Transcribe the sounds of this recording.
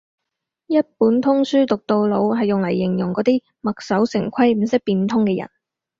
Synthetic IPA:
jɐ˥t̚puː˨˥nt̪ʰʊ˥ŋsyː˥t̪ʊ˨k̚t̪o˧wlo˨˧wɦɐ˨jːʊ˨ŋlɐ˨˩jːɪ˨˩ŋjʊ˨˩ŋkɔː˨˥t̪iː˥ | mɐ˨k̚sɐ˨˥wsɪ˨˩ŋkʰɐ˥jm̩˨˩sɪ˥k̚piː˧nt̪ʰʊ˥ŋkɛː˧jɐ̰˨˩n

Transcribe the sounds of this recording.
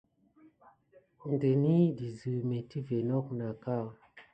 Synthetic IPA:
nde˨ni˦di˨zɨ˨me˨ti˦ve˨nɔ˦k̚na˨ka˦˨

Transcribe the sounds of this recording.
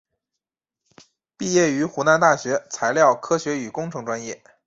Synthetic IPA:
pi˥˧jɛ˥˩y˧˥xu˧˥na˧˥nt̪a˥˩ɕɥɛ˧˥t͡sʰa˧˥ɪljɑ˥˩ʊkʰɤ˥ɕɥɛ˧˥y˨˩kʊ˥ŋʈ͡ʂʰɤ˧˥ŋʈ͡ʂwa˥njɛ˥˩

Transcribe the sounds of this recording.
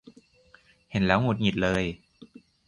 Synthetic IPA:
he˩˦nlɛː˦˥wŋu˨˩t̪̚ŋi˨˩t̪̚lɤː˧j

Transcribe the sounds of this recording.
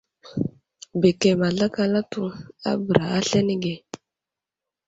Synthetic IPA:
be˨kɛ˨ma˨ɮa˦ka˦la˦tu˦a̰˦bɾa˨a˦ɬɛ˦ni˦ɡɛ˨

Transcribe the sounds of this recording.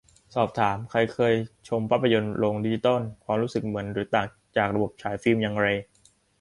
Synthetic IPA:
sɔː˨˩p̚t̪ʰaː˩˦mkʰa˧jkʰɤː˧jt͡ɕʰo˧mpʰa˦˥pʰːjo˧nɾoː˧ŋdi˧˩t͡ɕi˧t̪ɔ˥˩nkʰwaː˧mɾuː˦˥sɯ˨˩k̚mɯ˩˦ənɾɯː˩˦t̪aː˨˩ŋ | t͡ɕaː˨˩k̚ɾa˧bo˨˩p̚t͡ɕʰaː˩˦˥jfiː˥˩mja˧ŋɾa˧j

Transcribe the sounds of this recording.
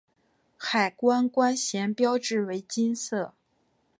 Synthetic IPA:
xa˨˩ɪkwa˥nkwa˥nɕjɛ˧˥npjɑ˥ʊʈ͡ʂɻ̩˥˩we˧˥ɪt͡ɕi˥nsɤ˥˩

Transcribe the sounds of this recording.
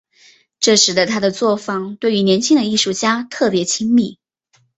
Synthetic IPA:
ʈ͡ʂɤ˥˩ʂɻ̩˧˥d̪ə˧t̪ʰa˥d̪ə˨t͡swɔ˥˩fɑ˥˩ŋt̪we˥˩ɪy˧˥njɛ˧˥nt͡ɕʰi˥ŋd̪ə˧i˥˩ʂu˥˩t͡ɕja˥t̪ʰɤ˥˩pjɛ˧˥t͡ɕʰi˥ŋmi˥˩

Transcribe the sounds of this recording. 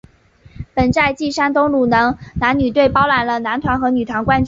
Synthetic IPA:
pə˨˩nt͡sa˥˧ɪt͡ɕi˥˩ʂa˥nt̪ʊ˥ŋlu˨˩nɤ˧˥ŋna˧˥nny˨˩t̪we˥˩ɪpɑ˥ʊla˧˥nlə˧na˧˥nt̪ʰwa˧˥nxɤ˧˥ny˨˩t̪ʰwa˧˥nkwa˥nt͡ɕ

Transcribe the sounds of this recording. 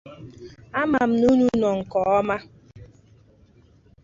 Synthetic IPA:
a˦ma˨m̩˨nu˦nu˦nɔ˨ŋ̩˨kɔ˨ɔ˦ma˦

